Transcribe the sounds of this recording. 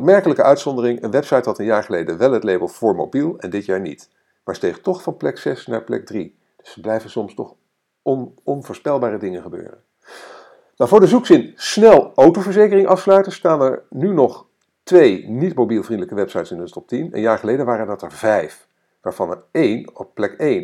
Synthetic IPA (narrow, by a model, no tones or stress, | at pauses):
pmɛɹkələkəʔœɥtsɔndərɪŋənʋɛpsɑjtɦɑtənjaːɹχəlejdəʋɛlˠɦətlejbəlˠv̥ʊːɹmo̰wbilˠɛ̰ndɪtjaːɹnḭt | maːɹstejχtɔχfɑnplɛksɛsna̰ːɹplɛ̰k̚dri | d̥ɵsəblɛjvənsɔmstɔ̰χ | ɔn | ɔnvʊːɹspɛlˠbaːrədɪŋənχəbø̰ːrə̰n | nawvʊːɹdəzuksɪnsnɛlˠowtowvəɹzejkərɪŋʔɑfslœɥtəstaːnɛɹnynɔχ | tʋejnitmowbilˠvrindələkəʋɛpsɑjtsɪndətɔp̚tinə̰njaːɹχəlejdəʋaːɾəndɑtɛɹvɛjf | ʋaːɹv̥ɑnɛ̰ɹejnɔpplɛkejn